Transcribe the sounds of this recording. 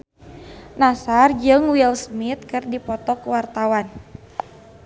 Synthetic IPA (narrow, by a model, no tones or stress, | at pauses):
nasard͡ʒɨŋwilsmit̪̚kɨrdipɔt̪ɔkwart̪awan